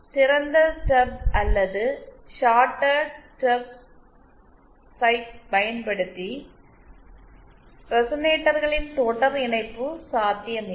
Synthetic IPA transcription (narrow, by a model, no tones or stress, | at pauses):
t̪iɾɐnd̪ɐʈɐbɐlːɐðɨʃaːʈːɐʈɐb̚ | sɐjʈ̚pɐjɐnpɐɽut̪ːi | prɐsɐneːʈːɐrɣɐɭint̪oːʈːɐriɳɐɪpːɯsaːd̪ʱjɐmi